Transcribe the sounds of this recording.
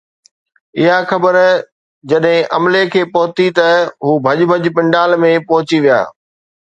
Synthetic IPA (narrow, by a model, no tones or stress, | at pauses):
ɪɦaxɐbəɾ | d͡ʑɐɗɦɪ̃ʔɐmlekʰeːpɐɦʊt̪it̪ɐɦuːbʱɐʄbʱɐʄpɪ̃ɳɖaːlmẽpɐɦʊt͡ɕiʋija̰ː